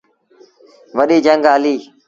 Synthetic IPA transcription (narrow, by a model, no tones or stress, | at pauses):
ʋəɗiːd͡ʒə̃ŋɡɦəliː